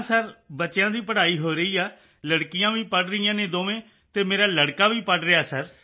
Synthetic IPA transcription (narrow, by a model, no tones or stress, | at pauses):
səɾbətːt͡ʃjãːd̪iːpəɽaːiːɦoːɾəiːaː | ləɽkɪjãːʋiːpəɖɾəiːjãːneːd̪oːʋẽː | t̪eːmeːɾaːləɽkaːʋiːpəɖɾɪjaːsəɾ